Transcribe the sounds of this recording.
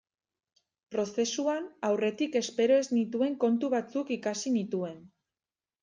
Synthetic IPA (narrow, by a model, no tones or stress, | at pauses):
pɾo̞se̞suanawre̞t̪ike̞spe̞ɾo̞e̞znit̪ue̞ŋko̞nt̪uβat͡sukikasinit̪ue̞n